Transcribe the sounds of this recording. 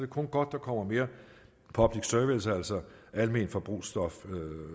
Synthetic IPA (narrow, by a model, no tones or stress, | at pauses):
d̥e̝kʰɔ̽nɡ̥ɒ̽d̥̚ːɑ̈kʰɒ̽m̰ɐme̝ːɐ | pʰɒ̽b̥liɡ̥søɐʋisæl̰sɒ | ælme̝ːnfɒ̽b̥ʁṵːsd̥ɒ̽fø